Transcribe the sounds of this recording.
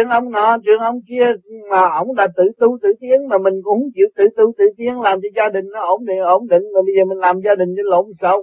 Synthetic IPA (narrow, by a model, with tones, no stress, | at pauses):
i˧˨əŋʔə˧wŋ͡mnɔ˨˩˦t͡ɕwḭ˨˧˨əŋʔə˧wŋ͡mki˧əmaː˨˩ʔə˧˩wŋ͡mɗa˨˩t̪ɨ̰˧˨t̪u˧t̪ɨ̰˧˨t̪i˨˦˥əŋmaː˨˩mï˨˩ŋ̟kʊ̰˧˨˥ŋ͡mt͡ɕḭ˧˨əwt̪ɨ̰˧˩wt̪u˧t̪ɨ̰˧˨t̪i˨˦əŋlaː˨˩mt͡ɕɔ˧zaː˧ɗï˨˩ŋ̟nɔ˨˦ʔo˧˩˦ŋ͡mɗḭ˧˨ʔo˧˩˦nɗḭ̈˧˨ŋ̟maː˨˩ɓə˧zəː˨˩mï˨˩ŋ̟laː˨˩mzaː˧ɗï˨˩ŋ̟ɗe˧˦lo̰˧˦m˨˩sə˧w